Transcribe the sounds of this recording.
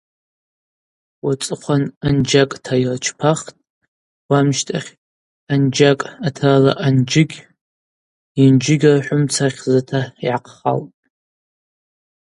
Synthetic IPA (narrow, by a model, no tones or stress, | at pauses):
wat͡sʼɨqʷʰanand͡ʒakʼtʰajrt͡ʃʰpʰaχtʼ | wamʃtʰʼaχʲ | and͡ʒakʼatʰala̰ʔand͡ʒɪɡʲ | ind͡ʒɪɡʲraħʷʊmt͡sʰaχʲzatʰaiʕaqʰχa̰ltʼ